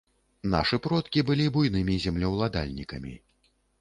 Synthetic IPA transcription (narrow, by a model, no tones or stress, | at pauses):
na̰ʂɨpɾɔt̪kʲibɨlʲibujnɨmʲizʲɛmlʲɐwlˠad̪a̰lʲnʲikɐmʲḭ